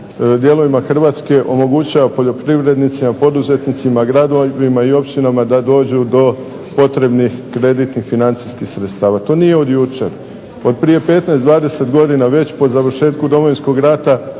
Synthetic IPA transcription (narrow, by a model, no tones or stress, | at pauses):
d̪je̞lˠo̞ʋimaxr̩ʋaːt̪ske̞ʔo̞mo̞ɡut͡ɕaʋapo̞ʎo̞pɾiʋɾe̞d̪nit̪simapo̞d̪uze̞t̪nit̪simaɡɾad̪oʋimaio̞pt͡ɕinamad̪ad̪o̞ːd͡ʑud̪o̞ | po̞t̪ɾe̞bnixkɾe̞d̪it̪nixfinant̪siskixsɾet̪st̪aːʋat̪o̞ːnije̞o̞d̪jut͡ʃe̞̰ɾ | o̞d̪̚pɾije̞pe̞ːt̪naesd̪ʋaːd̪e̞se̞t̪ɡo̞d̪inaʋe̞t͡ɕpo̞zaʋr̩ʃe̞ːt̪kud̪o̞mojinsko̞ɡɾat̪a